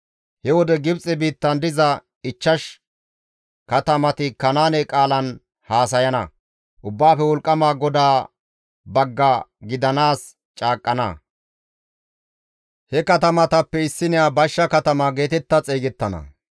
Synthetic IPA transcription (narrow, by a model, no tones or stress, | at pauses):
hɛwɔd̪ɛɡɪbt͡sʼɛbiːt̪ːɐnd̪ɪzɐ | ɪt͡ʃːɐʃ | kɐt̪ɐmɐt̪ɪkɐnaːnɛkʼaːlɐn | haːs̬ɐjɐnɐ̰ | ʔʊbːaːfɛwɔlkʼːɐmaːɡɔd̪aː | bɐɡːɐɡɪd̪ɐnaːs | t͡ʃʼaːkʼːɐnɐ̰ | hɛkɐt̪ɐmɐt̪ɐpːɛɪsːɪnɪjaːbɐʃːɐkɐt̪ɐmaɡe̞ːt̪ɛt̪ːɐt͡sʼeːɡɛt̪ːɐnɐ̰